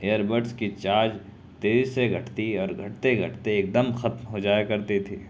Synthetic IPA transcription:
eːjəɾbəɾʈskit͡ʃaːɾd͡ʒ | t̪eːziseɡʱɐʈt̪iɔːɾɡʱɐʈt̪eɡʱɐʈt̪eeːk̚d̪əmxɐt̪mɦod͡ʒaːjekɐɾt̪it̪ʰiː

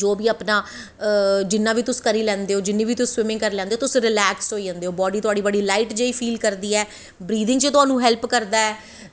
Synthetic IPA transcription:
d͡ʒoːbiːəpnaː | d͡ʒɪnːãːʋiːt̪ʊskəɾiːlɛ̃ːnd̪eːoːd͡ʒɪnːĩːʋiːt̪ʊsːwɪmɪ̃ŋɡkəɾlɛ̃ːnd̪eoːt̪ʊsɾɪlɛːksɦoːiːd͡ʒɛ̃ːnd̪eːoːbɔːɖiːt̪ʊaːɽiːbəɖiːlaːiːʈd͡ʒeiːpʰiːlkəɾd̪iːɛː | bɾiːd̪ɪŋt͡ʃət̪ʊɦaːnũːɦɛlpkəɾd̪aːɛː

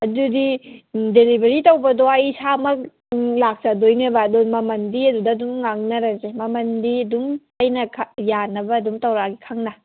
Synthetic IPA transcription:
ɐdudideɾibɐɾitɐwbɐdoɐjsamɐk̚ | lak̚sɐdojnɐbɐːdomɐmɐndiɐdudɐdumŋaŋnɐɾɐzemɐmɐndiɐdum | ɐjnɐkʰjanːɐbɐːdumtɐwɾaɡikʰaŋnɐ

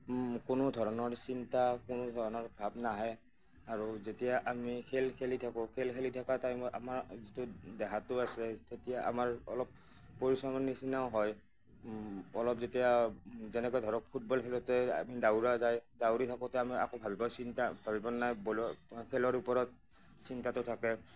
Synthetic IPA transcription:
kʊnʊdʱɔɹɔnɔɹsintakʊnʊdʱɔɹɔnɔɹbʱabnaɦɛj | aɹuzetijaʔamikʰelkʰelitʰakɔkʰelkʰelitʰakatajmɔʔa̰maɹzitʊdɛɦatʊasɛtetijaʔa̰maɹɔ̰lɔp̚ː | oɹisɔmɔnːisinaʊɦɔj | ɔlɔpzetijazɛnɛkɔjdʱɔɹɔk̚pʰut̚bɔlkʰɛlɔtɛa̰midauɹazajdawɹitʰakɔtɛamia̰kobʱabibawsintabʱabibɔnnajbɔlɔkʰɛlɔɹupɔɹɔt̚ | sintatʊtʰakɛ

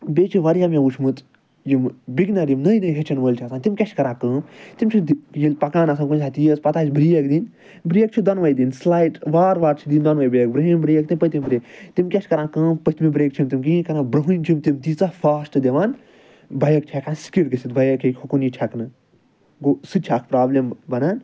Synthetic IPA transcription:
beːt͡ʃʰiʋɐɾjaːmẽut͡ʃʰmɨt̪ | jimbiɡnaːɾimnɐjnɐjɦʰʲet͡ʃʰɐnʋəlʲt͡ʃʰasaːnt̪imʲkʲɐt͡ʃʰʲkɐɾãːkə̃ːmt̪imt͡ʃʰid̪jilʲpɐkaːnɐsʰɐnkunʲʰat̪ijəspɐt̪aːt͡ʃʰʲbɾijɐkd̪in | bɾijək̚t͡ʃʰid̪ɐnʋɐjd̪inslaːjʈʋaːɾʋaːɾt͡ʃʰid̪ind̪ɐnʋɐjbɐjɐkbɾɨɦinbɾijɐk̚t̪impət̪imʲibɾeːkt̪imkʲɐʃʰʲkɐɾãːkəːmpət̪ʰimibɾeːkt͡ʃʰimt̪imʲkikɐɾaːbɾɨɦɨnʲt͡ʃʰimt̪imt̪it͡safaːsʈɨd̪ʲeʋaːn | bɐjɐk̚t͡ʃʲʰɐkʰaːnskiɽkɨsʲit̪̚bɐjɐkʰekʲʰokunit͡ʃʲʰɐknɨ | ɡosɨt͡ʃʰakʰpɾaːblʲembɐnaːn

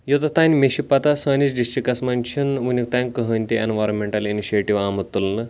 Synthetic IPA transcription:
jot̪ɐt̪anʲmeɕipat̪asɐnisɖisʈɾikːɐsmanʲt͡ɕʰinunʲik̚t̪ãnkəɦənʲt̪ienʋajɾõnmeɳʈɐliniɕieʈiʋamət̪ːulnɐ

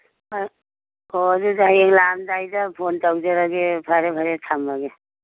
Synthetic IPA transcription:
ɔzudajeŋlamdajdapʰontawd͡ʒeɾaɡepʰaɾebʰʱaɾetʰambaɡe

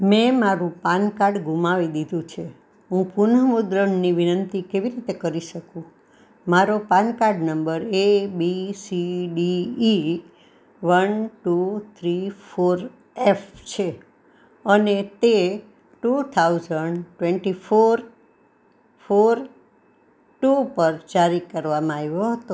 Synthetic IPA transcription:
mɛ̃maɾũpankaɾɖɡumaʋid̪id̪ʱũt͡ʃʰe | ɦũpunəmud̪ɾəɳniʋinənt̪ikeʋiɾit̪ekəɾiʃəkũ | maɾopankaɾɖnəmbəɾebisiɖiː | ʋənʈut̪ʰɾifoɾ | eft͡ʃʰe | ənet̪e | ʈut̪ʰaud͡ʒəɳɖʈweɳʈifoɾ | foɾ | ʈupəɾd͡ʒaɾikəɾʋamãaʋjoɦət̪o

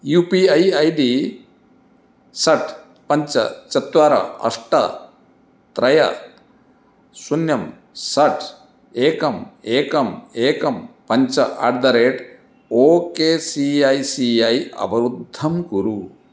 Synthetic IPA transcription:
jupiɐjɐjɖi | sɐʈʰ | pɐɲt͡ʃɐ̰t͡ʃɐt̪ʋaːɾɐ̰ɐ̰ʂʈɐ̰ | t̪ɾɐjɐ̰ | sunjɐm | sɐʈʰ | eːkɐmeːkɐmeːkɐmpɐɲt͡ʃɐʔa̰ːɖd̪ɐɾeːʈ | oːkeːsiajsiajɐ̰bɐɾud̪ʱːɐmkuɾu

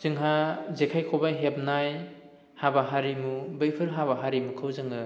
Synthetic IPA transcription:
zɯŋɦazekʰajkʰobaɦep̚naj | habaɦaɾimubɯjpʰɯɾɦaβaɦaɾimukʰɯwzɯŋɯ

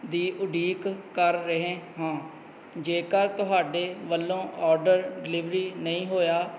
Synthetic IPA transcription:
d̪iːʔʊɖʱiːkkəɾːəɦẽːɦãː | d͡ʒeːkəɾt̪ʊɦaːɖeːʋəlːõːʔɔːɾɖəɾɖɪlɪʋɾiːnəĩːɦoːjaː

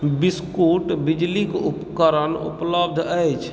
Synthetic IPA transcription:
biskuʈbid͡ʒlikupkəɾənṵpləb̚d̪ʱəjt͡ʃʰ

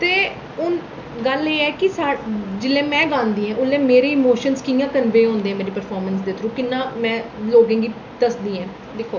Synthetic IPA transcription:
t̪eː | ʊn | ɡəleːɛːkɪsaːɽd͡ʒɪlːẽːmɛ̃ːɡãːnd̪iːɦɛ̃ːʔʊlːɛ̃ːmeːɾeːɪmoːʃənskiːjãːkənʋeːɦõːnd̪eːɛ̃ːmeːɾiːpəɾpʰɔːɾmənsd̪ɪt̪ʰɾũːkɪnːãːmɛ̃ːloːɡẽːɡiː | d̪əsd̪iːɦɛ̃ː | d̪eːkʰːoː

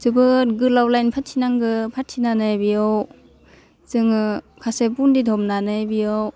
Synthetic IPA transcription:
zɯbɯt̚ɡɯlawlajnpʰatʰinaŋɡɯpʰat̚ʰinanɯjbijow | zɯŋɯ | kʰasebundidʰʱɔmnanɯjbijow

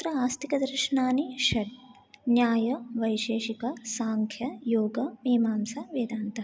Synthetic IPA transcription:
t̪ɾɐaːst̪ikɐd̪ɐɾʃɐnaːniʃɐʈ | njaːjɐʋɐjʃeːʃikɐsaːŋkʰjɐjoːɡɐmiːmaːmsɐʋeːd̪aːnt̪ɐ

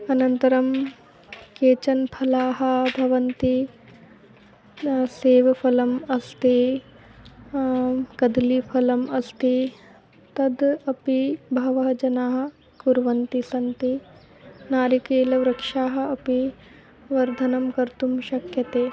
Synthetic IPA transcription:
ɐnɐnt̪ɐɾɐm | keːt͡ʃɐnpʰɐlaːɦɐ̆bʱɐʋɐnt̪i | seːʋɐpʰɐlɐmɐst̪eː | kɐd̪lipʰɐlɐmɐst̪i | t̪ɐd̪ɐpibʱɐʋɐɦɐd͡ʒɐnaːɦɐ̆ | kuɾʋɐnt̪isɐnt̪i | naːɾikeːlɐʋɾɐkʂaːɦɐ̆ɐpi | ʋɐɾd̪ʱɐnɐmkɐɾt̪umʃɐkjɐt̪eː

